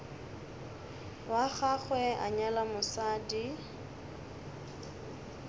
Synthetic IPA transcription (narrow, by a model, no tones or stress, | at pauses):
waχaχwɛʔa̰ɲalamʊsaːdi